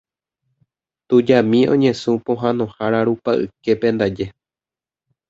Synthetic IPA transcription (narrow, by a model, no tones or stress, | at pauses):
t̪ud͡ʒamĩõ̞̰ɲẽ̞sũpõɦãnõ̞haɾaɾupaʔɨ̰ke̞pẽ̞nd̪ad͡ʒe̞